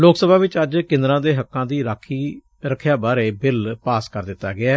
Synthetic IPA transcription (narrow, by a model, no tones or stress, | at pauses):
loːksəbʱaːʋɪt͡ʃəd͡ʒkɪ̃nd̪ɾãːd̪eːɦəkːãːd̪iːɾaːkʰiː | ɾəkʰːjaːbaːɾeːbɪlpaːskəɾd̪ɪt̪ːaːɡɪaː